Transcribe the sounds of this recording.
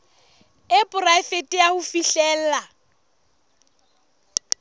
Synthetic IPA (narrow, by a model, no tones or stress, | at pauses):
ɪpʼʊraɪfetʼɪahʊfiɬɛːl̩la